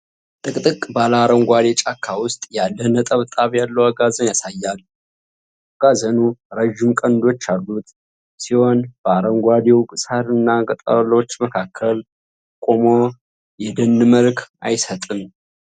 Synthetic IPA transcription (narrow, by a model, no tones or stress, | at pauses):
t̪ʼɨkʼt̪ʼɨkʼbalaɾəŋɡʷad̪et͡ʃʼakʰːawʊst̪ʼjalːənət̪ʼəβt̪ʼaβjalːəwaɡazənjasajːalː | aɡ̥azənuɾəʒɪmkʼənd̪o̞t͡ʃːalːut̪ | siho̞nbəaɾəŋɡʷad̪ewkʼɨsaɾɨnːakʼət̪ʼə̰βlo̞t͡ʃːməkʰakʰːəl | kʼomo | jɛd̪ənːɨməlkʰʔa̰jsət̪ʼɨn